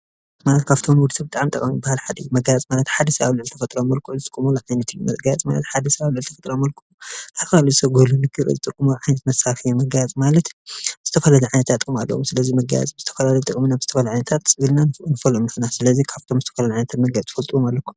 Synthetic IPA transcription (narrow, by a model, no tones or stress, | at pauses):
malɐt̪kʰaβt̪ʰomnwud̪sɐbɨt̪ʼaʕmt̪ʼɐ̰kʼmibːahalħad̪ɐjmɐɡajt͡sʼmalɐt̪ħad̪ɐsɐβaβlʕɨlt̪ʰɐfɐt̪ʼɾomːɐlkʰuʔuzɨt̪ʼɨkʼːumuluʕajnɐt̪ʰɨjumɐ̰ɡajat͡sʼma̰lɐ̰t̪ħad̪ɐsɐβaβlɨʕlt̪ɐfɐt̪ʼɾomɐlkʰuut̪ʰafɐlaluzɨsɐɡolunɨɡɨɾɨ̰zɨt̪ʼɨkʼːumuʕajnɐt̪mɐsafɨjːumɐɡajat͡sʼmalɐt̪bz̥ɨt̪ʰɐfɐlaluʕajnɐt̪ʰat̪ʼɨkʼuma̰lːɐ̰womsɨlɐzimɐɡa̰j̰t͡sʼbɨz̥ɨt̪ʰɐ̥fɐlalɐjt̪ʼɨkʼminabzɨt̪ʰɐfɐlʕajnɐt̪ʰat̪sɨβɨlnanɨfɐlomnɨħnasɨlɐzikʰaβt̪ʰomzɨt̪ʰɐ̥fɐlalʕajnɐt̪ʰat̪mɐɡajt͡sʼfɐlt̪ʼuwomalːɐkʰːu̥m